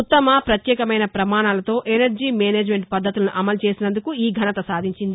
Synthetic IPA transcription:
ut̪ːɐmɐpɾɐt̪jɛːkɐmɐjnɐpɾɐmaːnaːlɐt̪o̞ːʔenɐɾd͡ʒiːmeːneːd͡ʒme̞ɳʈpɐd̪ʱːɐt̪ulɐnuʔɐmɐlt͡ʃe̞ːsinɐnd̪ukuiːɡʱɐnɐt̪ɐsaːd̪ʱiɲt͡ʃind̪i

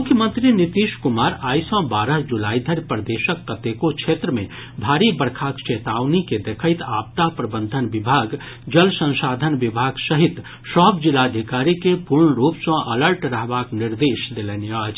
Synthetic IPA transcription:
mʊkʰjəmə̃nt̪ɾinit̪iʃkʊmaːɾaːjsɔ̃baːɾəɦd͡ʒulaːid̪ʱəɾpɾd̪eːʃəkːət̪ekot͡ʃʰeːt̪ɾəmẽ | bʱaːɾibəɾkʰaːkt͡ʃeːt̪aːʋniked̪ekʰəɪt̪aːp̚t̪apɾəbə̃nd̪ʱənbɪbʱaːɡ | d͡ʒəlsə̃nsaːd̪ʱənʋɪbʱaːɡsəɦit̪ | sɔːbd͡ʒilad̪ʱikaːɾikepuɾɳəɾuːpsə̃ʔɐləɾʈɾəɦbaːknɪɾd̪eːʃd̪elenəːt͡ʃ

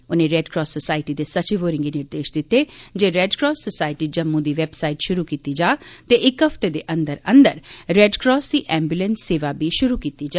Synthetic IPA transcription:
ʊnẽːɾɛːɖkɾɔːssəsaːɪʈid̪eːsət͡ʃiʋoːɾɪ̃ŋɡiːnɪɾd̪eːʃd̪ɪt̪ed͡ʒeːɾɛːɖkɾɔːsːəsaːɪʈiːd͡ʒəmːũd̪iːʋɛbsaːɪʈʃʊɾukiːt̪id͡ʒaːt̪eʔɪkɦəft̪ed̪eːʔə̃nd̪əɾə̃nd̪əɾɾɛːɖkɾɔːsd̪iːʔɛ̃ːmbjulənsːeːʋabiːʃʊɾukiːt̪id͡ʒaː

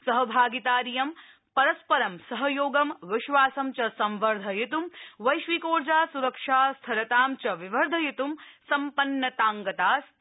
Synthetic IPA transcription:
sɐɦɐbʱaːɡit̪aːɾijɐm | pɐɾɐspɐɾɐmsɐɦɐjoːɡɐmʋɪʃʋaːsɐmt͡ʃɐsɐmʋɐɾd̪ʱɐjit̪umʋɐjʃʋikoːɾd͡ʒaːsuɾɐkʂaːst̪ʰɐɾɐt̪aːmt͡ʃɐʋiʋɐɾd̪ʱɐjit̪umsɐmpɐnːɐt̪aːŋɡɐt̪aːs

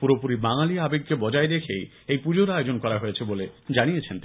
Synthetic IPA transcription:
puɾopuɾibaŋaliabeɡ̚kebɔd͡ʑaed̪ekʰej | ejpud͡ʑoɾaod͡ʑonkɔɾaɦojet͡ɕʰeboled͡ʑañijet͡ɕʰent̪i

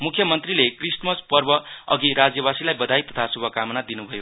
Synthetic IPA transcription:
mukʰːjʌmʌnt̪rilekrismʌspʌrbʌʌ̰ɡiɾad͡zjʌbasilajbʌd̪ʱajt̪ʌ̥t̪ʰasubʱʌkamnad̪inubʱʌjo

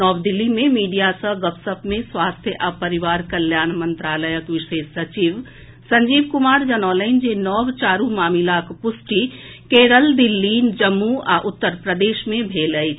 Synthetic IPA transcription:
nɔːbd̪ilːimẽmiːɖijasə̃ɡəpsəpmẽsʋaːst̪ʰjəʔapəɾiʋaːɾkəljaːnmənt̪ɾaːləjəkʋɪʃeːʃsət͡ʃiʋ | sɐɲd͡ʒiːb̚kumaːɾd͡ʒənɔːlə̃ɪnd͡ʒenɔːbt͡ʃaːɾumaːmilakpʊsʈikeɾəld̪ilːiːnd͡ʒəmːuaʔʊt̪ːəɾpɾəd̪eːʃmẽbʱeːləjt͡ʃʰ

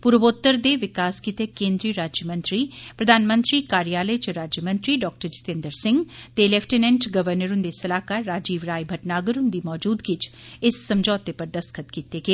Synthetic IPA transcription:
pʊɾəʋoːt̪ːəɾd̪eːʋɪkaːskit̪ekẽːnd̪ɾiːɾaːd͡ʒjəmə̃nt̪ɾiːpɾəd̪ʱaːnmə̃nt̪ɾiːkaːɾijaːləjt͡ʃɾaːd͡ʒjəmə̃nt̪ɾiːɖɔːk̚ʈəɾd͡ʒɪ̥t̪ẽnd̪əɾsɪ̃ŋɡt̪elɛːpʰʈenɛ̃ɳʈɡəʋəɾnəɾʊnd̪esəlaːkaːɾɾaːd͡ʒiːʋɾaːibʱəʈnaːɡəɾʊnd̪iːmɔːd͡ʒuːd̪kɪt͡ʃɪsːəmd͡ʒɔːt̪epəɾd̪əskʰət̪kit̪eːɡeː

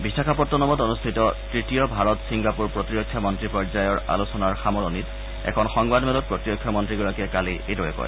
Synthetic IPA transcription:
bisakʰapɔtːɔnɔmɔtonustʰitɔtɹitijɔbʱaɹɔtsiŋɡapuɹpɹotiɹɔkʰːjɔmɔntɹipɔɹzajɔɹʔa̰lusɔnaɹxamɔɹonit | ɛ̰kʰɔnxɔŋbadmɛlɔt̚pɹɔtiɹɔkʰːjɔmɔntɹiɡɔɹakɛkaliedɔɹɛ̰kɔ̰jɛ

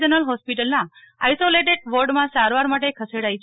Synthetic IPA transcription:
d͡ʒənəlɦɔspiʈəlna | ajsoleʈeɖʋoɾɖmãsaɾʋaɾmaʈekʰəseɽait͡ʃ

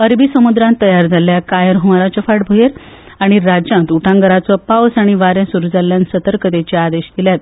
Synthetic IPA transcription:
əɾbisəmud̪ɾãnt̪ːəjaɾd͡zʱaljakajəɾɦumaɾat͡ɕəfaʈbʱujeɾ | aɽ̃iɾad͡ʑãnt̪uʈʰãŋɡəɾat͡sɔpawsaɽ̃iʋaɾẽsuɾud͡zalːjansət̪əɾkət̪et͡ɕead̪eɕd̪iljat̪

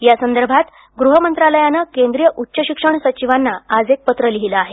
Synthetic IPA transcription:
jasənd̪əɾbʱat̪ | ɡɾuɦəmənt̪ɾaləjanəkend̪ɾijəʔutːɕəɕikʂəɳsət͡ɕiʋanːaad͡zek̚pət̪ɾəliɦiləaɦe

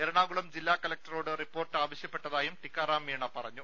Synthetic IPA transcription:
eɾɐɳaːɡuɭɐmd͡ʑilːaːkɐlɐk̚tɐroːɽɨripːo̞ːrʈːaːʋɐɕjɐpːeʈːɐðaːjumʈikːaːraːmiɳɐpɐrɐɲːu

